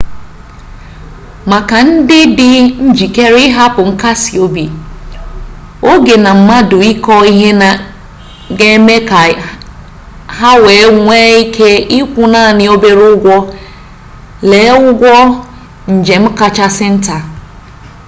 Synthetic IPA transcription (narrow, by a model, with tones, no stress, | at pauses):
ma˨ka˨n̩˦dɪ˦dɪ˦n̩˦d͡ʒi˨ke˦ɾɪ˦ɦa˦pʊ˨ŋ̩˦ka˦si˨o˦bi˨ | o˦ɡe˨na˨m̩˨ma˦dʊ˨i˦kɔ˦i˦ɦe˦na˨ | ɡe˦me˦ka˨ | ha˦we˨˦ŋʷe˦i˦kʰe˦i˦kʷʊ˦na˦˨nɪ˦o˦be˦ɾʊ˦ɡʷɔ˦ | le˨˦ʊ˦ɡʷɔ˦ | n̩˨d͡ʒe˨m̩˦ka˦t͡ʃa˦sɪ˦n̩˦ta˨